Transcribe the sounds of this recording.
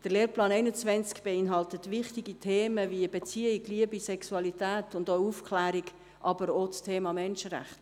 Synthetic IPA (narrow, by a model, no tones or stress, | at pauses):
d̥əɾleːɾplɑːnɛæɪnət͡svɛnt͡skb̥eɪnɦɑltət̪vɪχtiɡitʰeːməviəbet͡siəɪkliəbisɛksuɑlitæːtʊndoufkʰlæːɾiɡ | ʔɑbəɾot͡stʰeːmɑmɛnʃəɾæ̰χt